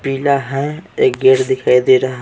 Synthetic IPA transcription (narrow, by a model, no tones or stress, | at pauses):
piːlaɦɛ̃eːkɡeːʈd̪ɪkʰaːid̪eːɾa